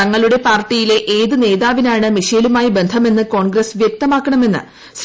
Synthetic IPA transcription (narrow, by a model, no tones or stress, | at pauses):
ɐŋːɐɭuɽe̞paːrʈːijile̞ʔeːðɨne̞ːðaːʋinaːɳɨmiʂɐjɐlumaːjibe̞nd̪ʱɐme̞nːɨko̞ːɳɡɾɐsʋjek̚t̪ɐmaːkːɐɳɐme̞nːɨ̰ | s